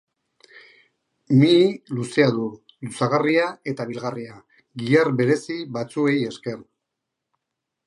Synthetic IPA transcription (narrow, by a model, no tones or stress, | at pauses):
miluse̞aðu | lusaɣ̞ariae̞t̪aβ̞ilɣaria | ɣiarβe̞ɾe̞siβat͡sue̞je̞ske̞r